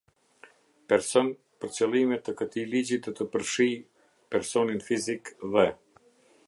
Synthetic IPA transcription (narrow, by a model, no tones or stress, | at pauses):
pɛɾsɔn | pəɾt͡səlˠimɛt̪əkət̪ilid͡ʑid̪ɔt̪əpəɾʃij | pɛɾsɔninfizikðɛ